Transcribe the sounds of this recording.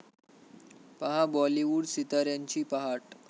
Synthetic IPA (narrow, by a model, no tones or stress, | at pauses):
pəɦabɔliʋuɽsit̪aɾjaɲt͡ɕiːpəɦaʈ